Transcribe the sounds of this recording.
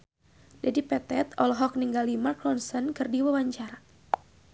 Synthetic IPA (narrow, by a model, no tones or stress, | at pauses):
dadipɛt̪ɛt̪ɔlɦɔk̚niŋɡalimarklɔnsənkɨrdiwawaɲt͡ʃaɾa